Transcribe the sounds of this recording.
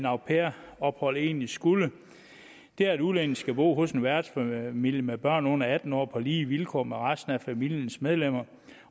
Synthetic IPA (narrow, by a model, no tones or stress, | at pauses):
nɑ̈ʊpʰeɐɒ̽b̥hɒ̽l̰e̝ːnlisɡ̥ulə | d̥e̝æɐed̥ulen̩sɡ̥æb̥o̝̰ːɦɔ̽senʋæɐdnsfæmil̰jəmeb̥ɶɐ̰nɔ̽n̰ɐæd̥n̩ɒ̰ːpʰɒ̽liːʋilkʰɒ̰ːmeʁasd̥n̩æfæmil̰jənsmeð̞ˠlem̰ɐ